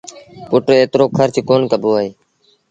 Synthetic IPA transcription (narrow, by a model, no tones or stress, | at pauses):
pʊʈeːt̪ɾoːkʰəɾt͡ʃkoːnkəboːaːɦeː